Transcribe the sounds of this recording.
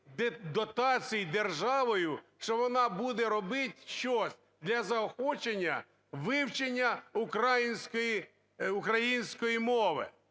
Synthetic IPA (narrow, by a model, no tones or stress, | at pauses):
d̪ɔt̪ɑt͡sʲijid̪erʒɑʋɔjʊʃt͡ʃɔʋɔnɑbud̪ɛɾɔbɪt̪ʲʃt͡ʃɔsʲ | d̪lʲɐzɐɔxɔt͡ʃenʲːɐ̰ | ʋɪwt͡ʃenʲːɐʊkɾajinʲsʲkɔji | ʊkɾɐjinʲsʲkɔjimɔʋɪ̰